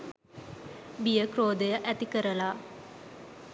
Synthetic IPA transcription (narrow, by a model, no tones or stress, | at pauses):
bijəkroːd̪əjaʔæt̪ikəɾəla